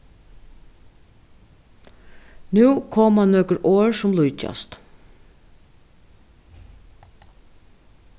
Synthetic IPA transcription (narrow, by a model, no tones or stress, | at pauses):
nʉːkʰɔmɑnnøːkəɾʔoːɹsʊmlʊʏc͡çɑ̰st̪